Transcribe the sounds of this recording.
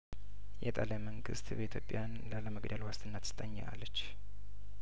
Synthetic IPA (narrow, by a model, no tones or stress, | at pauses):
jɛt̪ʼaljaməŋɡɨ̰st̪bəit̪ʰjopʼːjanlaləməɡd̪əlwast̪ʰɨnːat̪sɨ̥t̪ʼəɲːaʔa̰lːət͡ʃː